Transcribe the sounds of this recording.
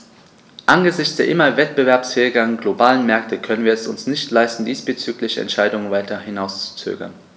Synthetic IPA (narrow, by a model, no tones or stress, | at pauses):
ʔanɡəzɪçt͡sd̥eːɐʔɪmɐvɛt̚b̥əvɛɐpsfɛːɪɡɐnɡlobaːlənmɛɐk̚tʰəkʰœnənviːɐɛsʊ̰nsnɪçtlaɪstn̩diːsb̥ət͡syːklɪçɛ̰ntʃaɪdʊŋənvaɪtɐhɪnaʊst͡su̥t͡sø̰ːɡɐ̰n